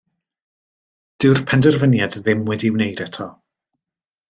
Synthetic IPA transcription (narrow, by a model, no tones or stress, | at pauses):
d̥ɪwrpʰɛndərvənjadðɪmwɛdiwnejdɛtʰɔ